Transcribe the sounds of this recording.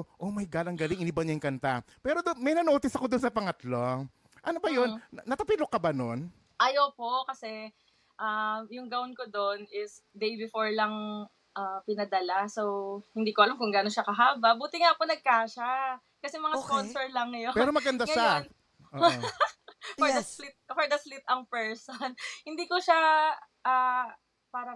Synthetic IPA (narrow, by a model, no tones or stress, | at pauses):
ʔo̞mɐjɡaːlɐŋɡɐlɪŋɪnɪbɐɲɐjŋkɐnt̪apɛːɾod̪onmɐjnɐnoːt̪ɪsɐkod̪onsɐpɐŋɐt̪lo | ʔɐnobɐjonːɐt̪ɐpɪlokːɐbanon | ʔɐjopo̞kɐsɛ | ʔamjʊŋɡɐʊnkod̪onɪsd̪ejbɪfoɹlɐŋ | ʔapɪnɐd̪ɐlasowhɪnd̪iːkoʔɐlamkʊŋɡaːnoʃakɐɦaːbɐbuːt̪ɪŋaponɐɡ̚kaːʃa | kɐsɛmɐŋasonsɛɹlɐŋɐjopɛɛɾomɐɡɐnd̪aɡʃan | ʔo | fɔd̪ɐslɪt̪̚fɔɹd̪ɐslɪt̪̚ɐŋpɛɹsonhɪnd̪iːkoʃa | ʔaː | paːɾɐ